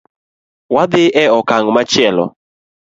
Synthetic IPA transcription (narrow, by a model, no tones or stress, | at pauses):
wad̪ɪʔɛɔkaŋmat͡ʃɪɛlɔ̰